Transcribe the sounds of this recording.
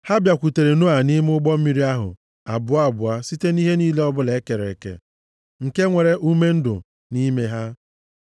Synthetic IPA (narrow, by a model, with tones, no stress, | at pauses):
ha˦bja˨kʷu˨te˨ɾe˨nu˦a˨ni˦m˦ʊ˦ɡ͡bɔ˦m̩˦mi˦ɾi˦a˦ɦʊ̰˨ | a̰˨bʊ˦a˦˨bʊ˨a˦si˦te˦ni˦ɦe˦niː˦le˦ɔ˦bʊ˦le˨˦ke˨ɾḛ˨kḛ˨ | ŋ̩˨ke˦ŋʷe˨ɾe˨ʔu˦me˦n̩˦dʊ̰˨ | ni˦me˦ɦa˦